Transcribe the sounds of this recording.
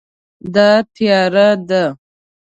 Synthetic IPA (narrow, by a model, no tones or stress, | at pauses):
d̪ɑt̪ijɑɾad̪a